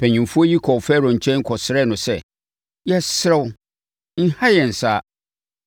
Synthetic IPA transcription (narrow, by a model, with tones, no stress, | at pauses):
pʰæ̃˨ɲĩ˨mfu˦o˦ji˦kʰɔ˨fɛː˦ɾɔ̃˨ɲ̩˨t͡ɕʰɛ̃˦ŋ˦kʰɔ˨sɪ˨ɾɛ˦˨nʊ̃˨sɛ˦ | jɛ˦sɪ˦ɾɛ˦wʊ˦ | n̩˦ha˦jɛ˨n̩˨saː˦